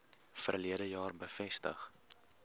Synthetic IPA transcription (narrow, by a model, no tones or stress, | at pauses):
fərliədəjɑːrbəfɛstə̰χ